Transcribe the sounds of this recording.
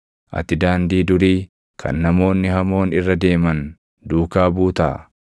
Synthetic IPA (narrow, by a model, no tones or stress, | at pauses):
ʔɐ̰t̪ːɪd̪aːnd̪iːd̪ʊɾiː | kʰɐ̰nːɐmo̞ːnːɪhɐmo̞ːnɪrːɐd̪e̞ːmɐn | d̪uːkaːbuːt̪ɐ̰ʔ